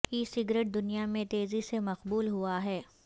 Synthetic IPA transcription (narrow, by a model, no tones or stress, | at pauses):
iːsɪɡɾeːʈ̚d̪ʊnijamẽt̪eːzisemɐqbuːlɦuaɦɛː